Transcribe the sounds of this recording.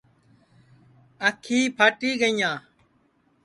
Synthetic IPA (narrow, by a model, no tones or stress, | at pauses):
əkʰiːpʰəʈiːɡəijãː